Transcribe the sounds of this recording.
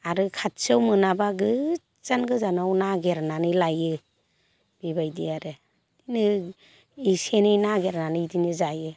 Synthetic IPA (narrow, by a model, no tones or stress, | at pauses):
aɾɯkʰat̚sɯwmɯnabaɡɯ | z̥anɡɯzanawnaɡeɾnanɯjlajɯ | b̥ibajdiaɾɯ | d̥inɯ | isenɯjnaɡeɾnanɯjdinɯzajɯ